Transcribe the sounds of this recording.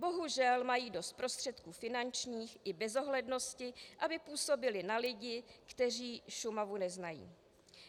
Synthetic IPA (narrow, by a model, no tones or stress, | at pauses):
bo̞ɦuʒɛlmajiːdo̞st̪̚pɾo̞st̪r̝̥ɛt̪kuːfɪnant͡ʃɲiːxʔɪbɛzo̞ɦlɛdno̞scɪʔabɪpuːso̞bɪlɪnalɪɟɪkt̪ɛr̝iːʃumavunɛznajḭː